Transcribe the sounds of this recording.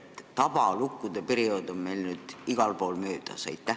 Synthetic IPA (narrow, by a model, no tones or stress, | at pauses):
t̪ɑb̥ɑlukːˑud̪̥e̞peɾio̞d̪̥onme̞jlnyːd̪̥iɡ̥ɑlpo̞ːlmøːd̪̥ɑsɑ̰jt̪ːˑæ